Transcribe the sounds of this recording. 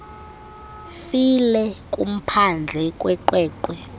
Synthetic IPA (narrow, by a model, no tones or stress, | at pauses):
filɛk̬ʼum̩pʰand͡ɮʱɛkʼwɛkwɛːkwɛ